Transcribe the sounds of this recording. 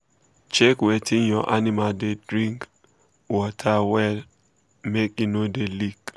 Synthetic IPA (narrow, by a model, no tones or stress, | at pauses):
t͡ʃɛkwetʰiɲjɔʔanɪmadedɾiŋk | wɔtʰawɛl | mekinodelik